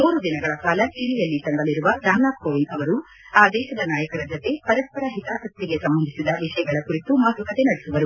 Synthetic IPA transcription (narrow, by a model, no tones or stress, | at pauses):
uːɾud̪inɐɡɐɭɐkaːlɐt͡ʃilijɐlːit̪ɐŋɡɐliɾuʋɐd̪aːnaːt̪koːʋiɖɐʋɐɾu | aːd̪ɛːʃɐd̪ɐnaːjɐkɐɾɐd͡ʒot̪e̞pɐɾɐspɐɾɐɦit̪aːʔɐk̚t̪ːiɡe̞sɐmbɐnd̪isid̪ɐʋiʂɐjɐɡɐɭɐkuɾit̪umaɡɐkɐt̪e̞nɐɽesuʋɐɾu